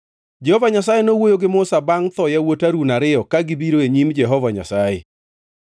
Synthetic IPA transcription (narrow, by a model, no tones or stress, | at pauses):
d͡ʒɛhɔvaɲasajenowojoɡɪmoʊsabaŋt̪ɔjawotaɾunaɾɪɔkaɡɪbiɾoeɲimd͡ʒɛɦɔvaɲa̰sajḛ